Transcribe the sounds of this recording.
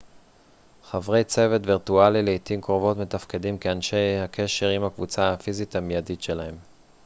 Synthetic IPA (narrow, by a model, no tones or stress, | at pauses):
χavʁe̞jt͡se̞ve̞tviʁtualileitimkʁovo̞tme̞tafke̞dimkeanʃe̞jhakʰe̞ʃe̞ʁimhakvut͡saafizitamjaditʃe̞lahe̞m